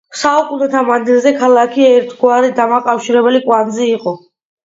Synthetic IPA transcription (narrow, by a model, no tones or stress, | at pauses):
saukʼunɛt̪ʰamand̪ilˠzɛkʰalˠakʰiɛɾt̪ʰɡwaɾid̪amakʼafʃiɾɛbɛlikʼwanzɛiqʼɔ